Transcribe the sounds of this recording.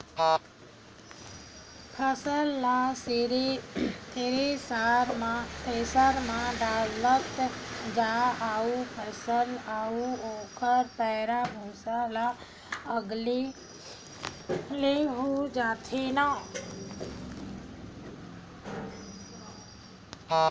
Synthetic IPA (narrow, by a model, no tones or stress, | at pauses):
pʰəsəlːasɾet̪eːɾesaːɾmpʰeːsəɾmãɖaːlət̪d͡ʒaaːupʰəsəlaːuoːkʰəɾpɛːɾabʱoːsala | əɡle | leɦod͡ʒaːt̪ʰena